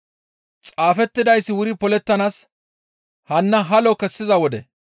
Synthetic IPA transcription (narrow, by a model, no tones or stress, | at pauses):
t͡sʼaːfɛt̪ːɪd̪ɐjsːɪwʊɾɪpɔlɛt̪ːɐnaːs | hɐnːɐɦɐlɔkɛsːɪzɐwɔd̪ɛ